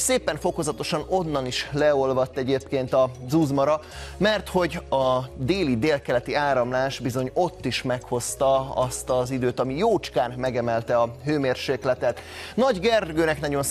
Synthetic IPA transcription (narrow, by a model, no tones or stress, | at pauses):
seːpɛɱfo̞ko̞zɒt̪o̞ʃɒno̞nːɒniʃlɛo̞lvɒt̪ːɛɟeːpkeːnt̪ɒzuzmɒɾɒ | mɛrt̪ho̞ɟɒd̪eːlid̪eːlkɛlɛt̪iaːɾɒmlaːʃbizo̞ɲo̞t̪ːiʃmɛkho̞st̪ɒɒ̰st̪ɒzid̪øːt̪ɒmijoːt͡ʃkaːnmɛɡɛmɛlt̪ɛɒɦøːmeːrʃeːklɛt̪ɛt̪nɒɟɡɛrɡøːnɛknɒɟo̞n